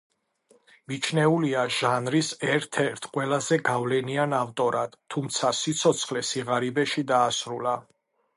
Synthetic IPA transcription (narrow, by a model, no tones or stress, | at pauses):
mit͡ʃʰnɛuliaʒ̥anɾisɛɾt̪ʰɛɾt̪ʰqʼwɛlazɛɡavlɛnianavt̪ʼɔɾad̪̥ʰumt̪sʰasit̪sʰɔt̪sʰχlɛsiʁaɾibɛʃid̪aːsɾula